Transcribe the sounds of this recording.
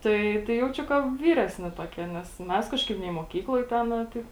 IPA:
ˈtɐɪ tɐɪ ˈjɛʊt͡ʃʲʊ kɐ ˈʋʲiːrʲɛsʲnʲɪ toːˈkʲiɛ nʲɛs ˈmʲɛs ˈkɑːʃˌkɐɪp nʲɛɪ muɔˈkʲiːklˠoːj ˈtʲæːnɑː ˈtɐɪp

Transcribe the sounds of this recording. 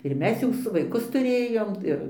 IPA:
ɪr ˈmʲɛs jɛʊ ˈsʊ ʋɐɪˈkʊs tʊˈrʲeːjoːm ˈɪr

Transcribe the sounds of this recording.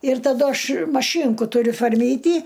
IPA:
ɪr tɐˈdʊ ˈɐʃ mɐˈʃʲiːŋkʊ tʊˈrʲʊ foːrʲˈmʲiːtʲiː

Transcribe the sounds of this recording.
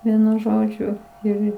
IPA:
ˈʋʲiɛnʊ ˈʒoːd͡ʒʲʊ ɪr ˈɪr

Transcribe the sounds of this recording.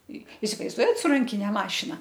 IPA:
ɪ ɪsʲɪʋɐɪzˈduɔjɛt sʊ ˈrɐŋʲkʲɪnʲɛ ˈmɑːʃʲɪnɐ

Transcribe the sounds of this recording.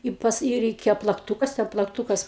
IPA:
ˈɪ pɐs ˈiː rʲɛɪˈkʲeːjoː plˠɐkˈtuːkɐs tʲɛn plˠɐkˈtuːkɐs

